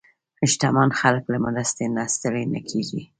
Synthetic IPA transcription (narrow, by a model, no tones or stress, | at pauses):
hɪʃt̪ɑmɑnxaləklamad̪ast̪enɑst̪awenakʰeɡi